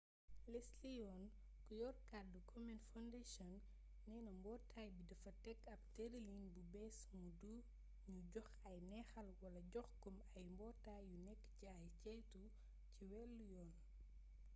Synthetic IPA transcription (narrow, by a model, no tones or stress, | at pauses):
lɛslijɔːn | kujɔrkadukʰɔmɛnfandeʃɔnː | ɛːnɐmbɔːtʰaːjbidɐfɐtɛkːɐb̚tɛdɐlinbubɛsmudu | ɲuɟɔx | ɐjnɛːxɐlwɐlɐɟɔxkɔmɐjmbɔːtaːjːunɛkːciɐjcɛːtu | ciwɛlːujɔːn